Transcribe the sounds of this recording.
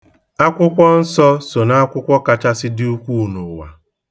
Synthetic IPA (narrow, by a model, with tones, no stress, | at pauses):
a˦kʷʊ˦kʷɔ˦n̩˦sɔ˦so˨na˦a˦kʷʊ˦kʷɔ˦ka˨t͡ʃa˦sɪ˦dɪ˦u˦kʷu˦˨nu˨wa̰˨